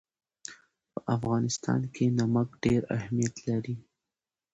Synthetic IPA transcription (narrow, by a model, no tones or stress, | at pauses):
pəʔafɣɑnɪst̪ɑ̰nkʰenamakɖeɾa̰hmijat̪laɾi